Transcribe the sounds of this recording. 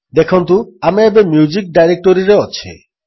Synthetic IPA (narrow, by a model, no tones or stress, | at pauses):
d̪ekʰont̪̬uameebemjud͡ʑik̚ɖajɾek̚ʈoɾiɾeot͡ɕʰḛ